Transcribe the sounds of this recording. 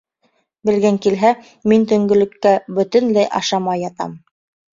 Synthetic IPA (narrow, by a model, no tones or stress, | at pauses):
bɘ̆lɡæŋkilɦæ | mint̪ɵ̆ŋɡɵ̆lɘ̆kːæbɵ̆t̪ɘ̆nlæjʔɑ̰ʃɑmɑjɑt̪ɑ̰m